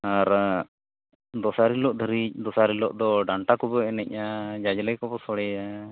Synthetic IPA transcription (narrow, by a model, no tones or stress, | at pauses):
aɾ | d̪ɔsaɾilɔʔd̪ʱəɾid̪ɔsaɾilɔʔd̪ɔɖaɳʈakɔbɔɛnɛc̚ʔad͡ʒad͡ʒlɛjkɔbɔsɔɽɛa